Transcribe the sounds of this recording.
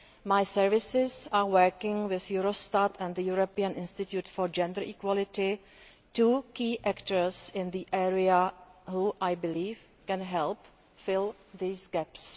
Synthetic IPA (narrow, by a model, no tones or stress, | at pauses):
majsɛɹvɪsɪzaːwəɹkɪ̃ŋwɪθjuɾostatʰɛ̃nd̪əjuɾopiãnɪ̃nst̪ɪt̪jutfoɹd͡ʒɛ̃ndəɹʔikwɔlɪtɪ | tuːkiːʔɛktəɹsɪ̃nd̪iʔɛɹiaɦuʔajbɪliːf | kɛ̃nɦɛlp | fɪl | ðiːsɡɛps